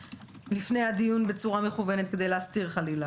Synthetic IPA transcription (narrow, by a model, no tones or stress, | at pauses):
lifne̞jhad̪ijunbe̞t͡suʁame̞χuvenet̪ke̞d̪e̞jleast̪iʁχalila